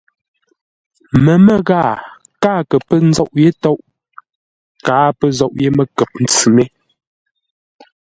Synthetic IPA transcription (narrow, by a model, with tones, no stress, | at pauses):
mə˨mə˨ɣaː˦˨ | kaː˦kə˨pə˦n̩˦zɔ˦ʔje˦tɔ˦ʔ | kaː˨˦pə˦zɔ˦˨ʔje˦mə˦kɛ˨p̚n̩˦t͡sʉ˨me˦